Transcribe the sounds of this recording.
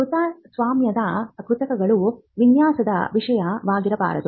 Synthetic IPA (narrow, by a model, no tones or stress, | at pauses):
kut̪ɐːsʋaːmjɐd̪ɐkut̪ɐkɐɡɐɭu | ʋinjaːsɐd̪ɐ̰ʋiʂɐjɐʋaːɡiɾɐpa̰ːɾɐt̪u